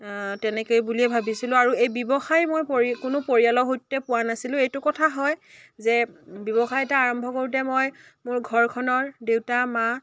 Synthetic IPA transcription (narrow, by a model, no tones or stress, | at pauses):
tɛnɛkojbuliɛbʱabisilʊ̃aɹuejbɔbɔxajmojpokʊnʊpoɹialɔɦotːɛpʊwanasilʊ̃ejtʊkɔtʰaɦɔj | zɛbɔbɔxajɛtaːɹɔmbʱɔkoɹut̬ɛmɔj | mʊɹɡʱɔɹkʰɔnɔɹdewtama